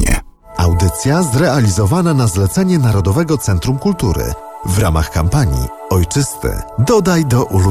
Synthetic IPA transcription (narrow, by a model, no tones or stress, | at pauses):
ɛ̰ | a̰wd̪ɘt̪sʲjazɾɛalʲizɔvananazlɛt̪sɛɲɛnaɾɔd̪ɔvɛɡɔt̪sɛnt̪ɾumkult̪uɾɘ̰ | vɾa̰ma̰xkampaɲḭ | ɔjt͡ʂɘst̪ɘ̰d̪ɔd̪ajd̪ɔʔulu